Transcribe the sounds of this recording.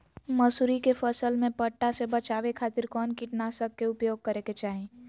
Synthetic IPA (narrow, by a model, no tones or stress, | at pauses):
məsuɾikefʰəsəlmẽpəʈːasebət͡ʃaːʋekʰaːt̪ɪɾkɔːnkɪʈnasəkːeʊpjoːɡ̚kəɾeket͡ʃaːɦẽ